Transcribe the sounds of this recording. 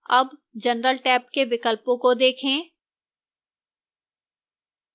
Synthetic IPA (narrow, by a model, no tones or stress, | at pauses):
ɐbd͡ʒənɾəlʈɛːp̚keʋɪkəlpõkod̪eːkʰẽː